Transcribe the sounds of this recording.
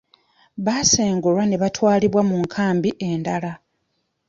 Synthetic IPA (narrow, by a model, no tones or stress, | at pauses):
βaseːŋɡulwane̞βatwaːliβwamuŋkʰaːmbiʔe̞ndala